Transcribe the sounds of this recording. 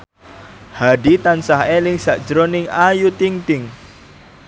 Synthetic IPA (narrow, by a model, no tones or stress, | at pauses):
haɖit̪ansahelɪŋsaʔd̥d͡ʒɾonɪŋajut̪iŋt̪ɪŋ